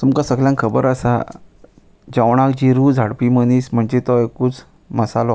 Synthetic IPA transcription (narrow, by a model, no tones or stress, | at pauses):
t̪umkasəɡljãŋkʰəbəɾəsa | d͡ʑawɳ̃akd͡ʑiɾud͡zʱaɽpiːməniːsm̤əɳd͡ʑet̪ɔekːuːt͡s | məsalɔ